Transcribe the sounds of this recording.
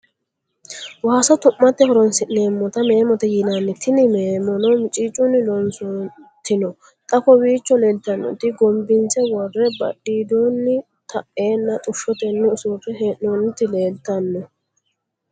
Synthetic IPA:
waːsɔt̪ʊmːɐt̪ːɛhɔɾɔnsɪʔne̞ːmːɔt̪ɐme̞ːmɔt̪ɛjɪnɐnːɪt̪ʰːɪnɪmeːmɔnɔmɪt͡ʃʼiːt͡ʃʼːʊnːɪlɔnsɔt̪ɪnɔ | t̪ʼɐkɔwiːt͡ʃːɔle̞ːlt̪ːɐnːɔ̰t̪ɪɡɔmbɪnt͡sɛwɔrːɛbɐ̰ɗːiːd̪oːnːɪ | t̪ʰɐʔe̞ːnːɐt̪ʼʊʃːɔt̪ɛnːʊɪsuːpɛɦeʔonɪt̪ːɪle̞ːlt̪ːɐnːɔ

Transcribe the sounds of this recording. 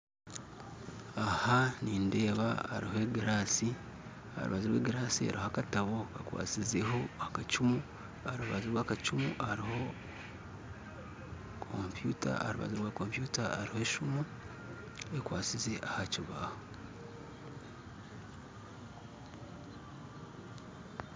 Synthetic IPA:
ahaniːnde̞ːβaa̰ɾiɦoeɡiɾaːsi | a̰ɾṵβaziɾweːɡiɾaːsia̰ɾihoakataβo̞kakwa̰ːt͡size̞ɦo̞akat͡ʃumu | aɾuβaziɾwaːkat͡ʃumṵaɾiho̞ | kʰompjuːta̰ɾuβa̰ziɾwaːko̞ːmpjuːtaːɾihoe̞ːʃumu | ekwaːt͡size̞ʔahaciβa̰ho

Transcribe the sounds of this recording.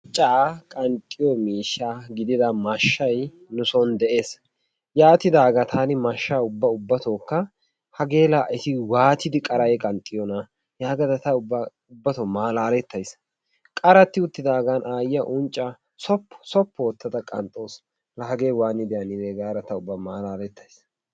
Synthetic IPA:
t͡ʃʼːaːkʼɐnt̪ʼːɪjɔmiːʃːaɡɪd̪ɪd̪ɐmɐʃːɐj | nʊsɔnd̪ɛʔe̞ːs | jaːt̪ːɪd̪aːɡɐt̪ʰaːnɪmɐʃːaːʊbːɐʊbːɐt̪oːkːɐ | hɐɡe̞ːlaːʔɪt̪ɪwaːt̪ɪd̪ɪkʼɐɾɐjɛkʼɐnt̪ʼːɪjɔnɐ | jaːɡɐd̪ɐt̪ɐʊbɐ | ʊbːɐt̪omaːlaːlɛt̪ːɐjs | kʼɐɾɐt̪ːɪʊt̪ːɪd̪aːɡanʔaːjɪɐʔʊnt͡ʃʼːɐ | sɔpːɔ̥sɔpːɔwɔt̪ːɐd̪ɐkʼɐ̰nt̪ʼoːs | lɐɦɐɡe̞ːwaːnːɪd̪ɪjɐnɪd̪eːɡaːɾɐt̪ɐʊbːɐmaːlaːlɛt̪ʰːɐjs

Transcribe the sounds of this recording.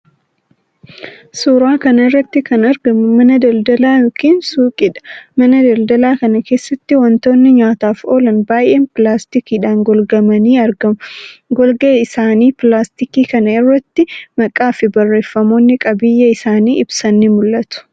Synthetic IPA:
suːɾaːkɐnɐɪrːɐt̪ːɪkɐnɐɾɡɐmʊmɐnɐd̪ɐld̪ɐlaːjoːkiːnsuːkʼɪᶑɐ̥mɐnɐd̪ɐld̪ɐlaːkɐnɐke̞ːsːɐt̪ːɪwɐnt̪o̞ːnːɪɲaːt̪aːfo̞ːlɐnbaːjʔeːnpɪlaːst̪ɪkiːᶑaːnɡɔlɡɐmɐniːɐɾɡɐmɡɔlɡeːɪsaːniːpɪlaːst̪ɪkiːkɐnɐɪrːɐt̪ːɪmɐkʼaːfɪbɐrːe̞ːfːɐmo̞ːnːɪkʼɐbɪjːɐɪsaːniːʔɪbsɐnːɪmʊlːɐt̪ʊ̥

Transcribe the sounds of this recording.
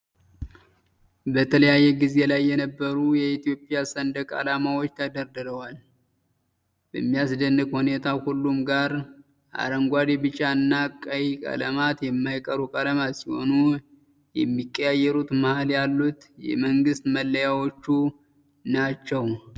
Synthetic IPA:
bət̪ʰələjajːɛɡize̞lajːɛnəbːəɾujɛit̪jo̞pʼijasənd̪əkʼa̰lamawot͡ʃːt̪ʰəd̪əɾd̪ɨɾəwal | b̥əmːijas̬d̪ənːɨkhune̞t̪ʰahulːumɡaɾ | ʔa̰ɾəŋɡʷad̪ibɨt͡ʃʼaɨnːakʼəjikʼə̰ləmat̪jɛmːajkʼəɾukʼələmasiho̞̰nu | jɛ̰mːikʼːəjajːɛɾut̪məhaljalːut̪jɛ̰məŋɡɨst̪məlːəjawo̞t͡ʃːu | nat͡ʃːɛw

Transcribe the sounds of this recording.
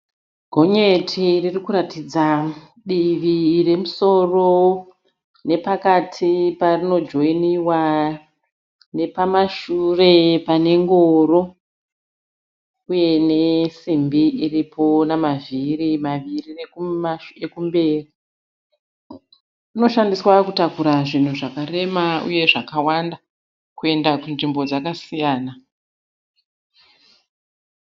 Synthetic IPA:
ɡʱo̞ɲetʰiririkuɾatid͡za | ɗiʋire̞muso̞ro̞ | ne̞pakatʰiparino̞d͡ʒoiniwa | ne̞pamaʃure̞pane̞ŋɡoːro̞ | uje̞ne̞simbiiripʰo̞namavirimaʋirire | ekumbe̞ːri | uno̞ʃandiswakutakuɾaʐin̤uʐakaɾe̞maṵje̞ʐakawanda | kue̞ndakunʐimbo̞d͡zakasijaːna

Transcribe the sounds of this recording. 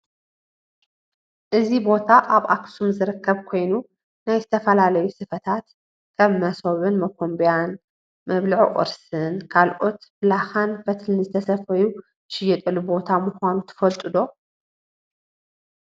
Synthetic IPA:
ʔɨzibo̞t̪ʰaʔaβʔaksumzɨɾɨkʰːɐβkʰo̞jnu | najzɨt̪ʰɐfɐlalɐjusɨfɐt̪ʰat̪ | kʰɐβmɐso̞βɨnmɐkʰombjan | mɐβlɨʕʔʼɨ̰ɾsɨnkʰalʔo̞t̪blaxanfɐt̪ʰlɨnzɨt̪ʰɐsɐfɐju | ʃɪjːɛt̪ʼɨlːubo̞t̪ʰamʊxʷanut̪ʰɨ̥fɐlt̪ʼɨd̪o̞

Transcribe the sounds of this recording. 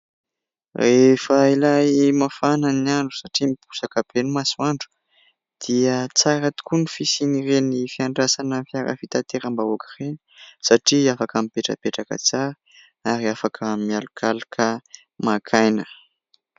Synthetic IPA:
refəilajmafananiaɳɖ͡ʐu̥saʈ͡ʂimipu̥sakəbenumasuaɳɖ͡ʐu̥ | d̪̥iət͡saɾat̪u̥kunifisinirenifiaɳɖ͡ʐasanəfiaɾə̰fit̪at̪eɾəmbaokireni̥saʈ͡ʂiafakamipeʈ͡ʂə̰peʈ͡ʂakə̰t͡saɾə | aɾiafakʰəmialukʰalakʰə | makʰajnə

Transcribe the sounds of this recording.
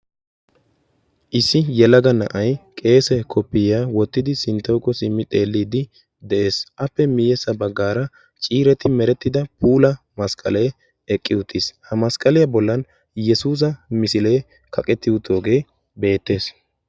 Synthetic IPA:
ʔɪsːɪjɛlɐɡɐnɐ̰ʔɐjkʼe̞ːsɛkʰɔpːɪjaːwɔt̪ːɪd̪ɪsɪnt̪ːɔwkːɔsɪmːɪt̪ʼe̞ːlːiːd̪ɪ | d̪ɛʔe̞ːsʔɐpːɛmɪjɛsːɐbɐɡːaːɾɐ | t͡ʃʼiːɾɛt̪ɪmɛɾɛt̪ːɪd̪ɐpʰuːlɐ | mɐskʼɐ̰le | ɛkʼːɪʊt̪ʰːɪshɐmɐskʼɐlɪjɐbɔlːɐn | jɛsuːs̬ɐmɪsɪle̞ː | kʰɐkʼɛt̪ːɪʊt̪ʰo̞ːɡe̞ː | be̞ːt̪ːe̞ːs

